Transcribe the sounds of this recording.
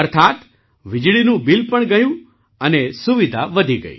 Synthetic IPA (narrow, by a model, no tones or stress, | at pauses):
əɾt̪ʰat̪ | ʋɪd͡ʒɭinũbilpəɳɡəjũ | ənesuʋid̪ʱa̰ʋəd̪ʱiɡə̰ḭ